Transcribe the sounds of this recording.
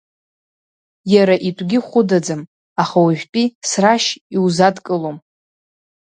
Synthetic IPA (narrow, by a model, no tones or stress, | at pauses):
jaɾaʔitʷʼɡʲɪχʷʊdad͡zɨm | aχawʒʷᶣpʼisraʃiwzadkʼɨlom